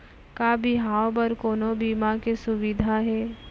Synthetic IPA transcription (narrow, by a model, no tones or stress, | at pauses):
kaːbiɦaːwbɐɾkoːnobiːmakesʊʋɪd̪ʱaɦɛː